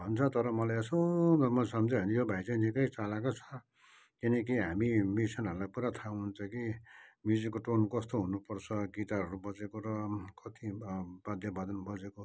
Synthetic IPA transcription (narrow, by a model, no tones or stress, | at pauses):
bʱʌnt͡sʰʌt̪ʌɾʌmʌlajʌsomʌsʌmd͡zeɦʌnijobʱait͡saĩnikʌjt͡salakot͡sʰʌ̥ | kinʌk̬iɦamimisʌnɦʌɾulajpuɾat̪ʰaũɦunt͡sʰʌkimjud͡zikoʈonkʌst̪oɦunupʌrt͡sʰʌɡit̪aɦʌɾubʌt͡sekoɾʌkʌt̪ibad̪ʱjʌbʌd̪ʌnbʌd͡zeko